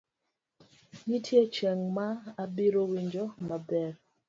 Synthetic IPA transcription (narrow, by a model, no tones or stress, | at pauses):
ɲitʰjet͡ʃɛŋmaːbiɾowiɲd͡ʒomabɛɾ